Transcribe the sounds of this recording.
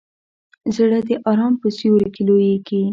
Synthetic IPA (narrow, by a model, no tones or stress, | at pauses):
zɽəd̪əʔɑɾɑmpəsiwəɾkelojeki